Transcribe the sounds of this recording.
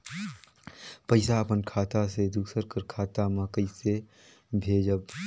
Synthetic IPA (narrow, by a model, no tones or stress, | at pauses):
pəɪsaəpənkʰaːt̪ased̪uːsəɾkəɾkʰaːt̪aməkəise | bʱeːd͡ʒəb